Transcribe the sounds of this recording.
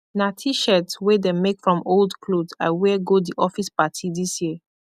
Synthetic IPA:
natʰiʃɛtswedemekfɹɔ̃moldkʰlodaɪwɛɡodiʔɔfispatʰidisjiə

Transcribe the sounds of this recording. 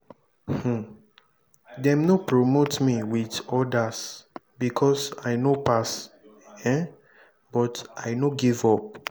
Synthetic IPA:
h̩ | dɛ̃mnopɹomotmiwiðɔdas | bikʰɔsaɪnopas | ɛ̃ | bɔtʔaɪnoɡivɔp̚

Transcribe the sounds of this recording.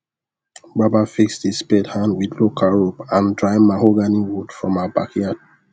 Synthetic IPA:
babafiksdispɛthãndwidlokʰaɹopãndɹaɪmahoɡaniwudfɹɔ̃mabakiad

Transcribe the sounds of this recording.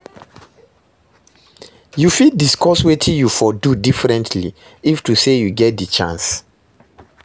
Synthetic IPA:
jufid̚diskɔswetʰĩjufɔdudifɹɛ̃ntʰlḭ | iftusejuɡɛt̚dit͡ʃã̰ns

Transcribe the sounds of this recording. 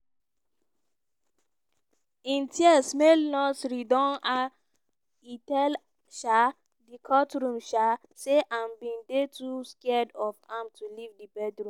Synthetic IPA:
ĩntiɛsmelnɔsɾidɔ̃na | itɛl | ʃa | dikʰɔtɹũmʃa | seʔãmbĩndetuskɛdɔfãmtulivdibɛdɹũ

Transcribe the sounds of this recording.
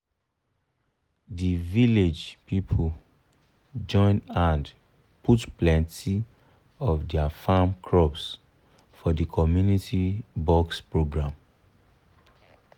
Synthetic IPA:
diviled͡ʒpipʰo | d͡ʒɔ̃ɪ̃nãnd | putplɛ̃ntʰi | ɔvdɛafãmkʰɹɔps | fɔdikʰɔmjunitibɔkspɹoɡɹãm

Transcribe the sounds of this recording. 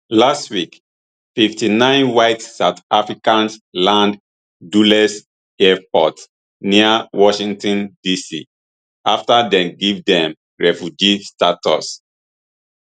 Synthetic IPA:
lastwik | fiftinãɪ̃nwaɪtsaʊtafɹikãnslãnd | dulɛs | ɛpɔt | niawɔʃĩŋtɔ̃ndisḭ | ʔaftadɛ̃mɡivdɛ̃m | ɹɛfjud͡ʒistatɔ̰s

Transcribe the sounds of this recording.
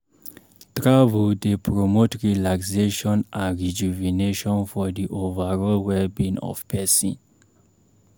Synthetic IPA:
tɹavuldepʰɹomotɹilakseʃɔ̃nʔãnɹid͡ʒuvineʃɔ̃nfɔdiʔovaɹɔlwɛbĩnɔ̰fpʰɛsḭ̃n

